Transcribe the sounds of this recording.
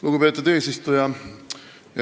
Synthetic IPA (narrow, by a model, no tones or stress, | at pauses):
luɡ̥upe̞ːt̪ːˑud̪e̞ːsist̪ujɑ | j